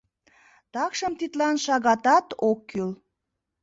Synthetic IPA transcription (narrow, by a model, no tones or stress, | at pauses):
t̪ɑkʃəmt̪it̪lɑnʃɑɣɑt̪ɑt̪okːyl